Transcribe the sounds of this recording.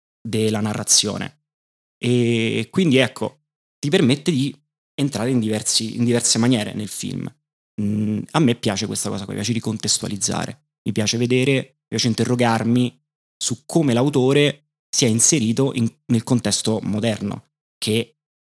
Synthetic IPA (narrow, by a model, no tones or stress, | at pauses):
d̪elːanarːat̪sːjo̰ːnḛ | ekːwind̪iɛkʰːo̰ | t̪ipermet̪ːed̪i | ent̪ɾaːɾeind̪ivɛrsiḭnd̪ivɛrsemanjɛːɾḛnelfḭlm | amːepːjaːt͡ʃekwest̪akɔːsakmḭpjaːt͡ʃeɾikont̪est̪ua̰lid̪zːa̰ːɾḛ | mipjaːt͡ʃeved̪eːɾemipjat͡ʃeint̪erːoɡarmi | sukʰːoːmelawt̪oːɾe | siɛinseɾiːt̪oʔiŋnelkont̪ɛst̪omod̪ɛrno̰ | kʰe